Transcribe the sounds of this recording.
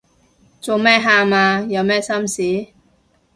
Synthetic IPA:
t͡so˨wmɛː˥ɦaː˧maː˧jɐ˨˧wmɛː˥sɐ˥msiː˨˥

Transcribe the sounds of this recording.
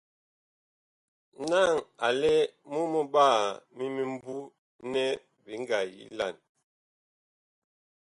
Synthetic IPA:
na˦˨ŋa˨lɛ˦mu˦mo˦baː˦˨mi˦mi˦m˦bu˦ | nɛ˦ | bi˨˦ŋ˦ɡa˨jḭ˦la˦˨n

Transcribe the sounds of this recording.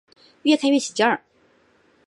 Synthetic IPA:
ɥɛ˥˧kʰa˥˧nɥɛ˥˩t͡ɕʰi˨˩t͡ɕja˥˨

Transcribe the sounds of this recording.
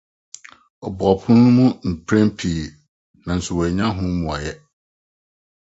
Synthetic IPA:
ɔ˨bɔ˨pʰʊ̃˦nũ˦mũ˦m̩˨pʰɾɛ̃˦m̩˦pʰi˨ | nã˨n̩˨sʊ˨wɔ˨ɲã˦ɦʊ̃˦mũ˨a̰˨jɛ˦

